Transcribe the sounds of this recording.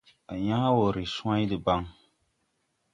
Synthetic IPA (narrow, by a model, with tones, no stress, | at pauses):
a˨ɲaː˦wo˨ɾɨ˨su˦ã˦jdɨ˨ba˦ŋ